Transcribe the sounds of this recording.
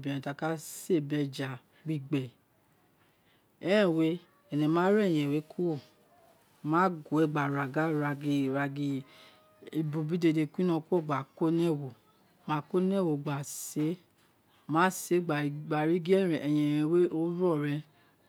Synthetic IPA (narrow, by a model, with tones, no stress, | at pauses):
bĩ˨ɛ̃˨ta˨˧˨ka˦se˦˨bɛ˧d͡ʒa˨ | ɡ͡bi˧˨ɡ͡bɛ˨ | ɛ˦ɛ̃˦˨we˦ | ɛ˨nɛ̃˨˧˨mãː˨˦ɾɛ˦˨j̃ɛ̃˨we˨˦kʰo˦o˦˨ | mã˨˦ɡo˨ɛ˧˨ɡ͡ba˨ɾa˨ɡa˦ɾa˧ɡi˧ɾa˧ɡi˧ | i˧bu˧bi˦de˧˨de˧ku˦nã˧ko˦˨ɡ͡ba˨ko˦nɛ˦˨wo˨ | mã˨˦ko˦nɛ˦˨wo˨ɡ͡ba˨se˨˦ | mã˨˦se˨˦ɡ͡ba˨ɡ͡ba˨ɾi˨˦ɡi˦ɛ˦˨ɾɛ˨ɛ˨jɛ̃˧˨jɛ̃˧˨we˦o˦ɾɔ˦˨ɾɛ̃˧